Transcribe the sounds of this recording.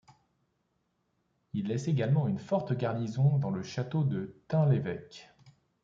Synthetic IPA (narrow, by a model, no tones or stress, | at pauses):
ilːɛseɡalmɑ̃ynfɔʁt̪ɡʲaʁnizɔ̃d̪ɑ̃ləʃat̪od̪ət̪ɛ̃levɛk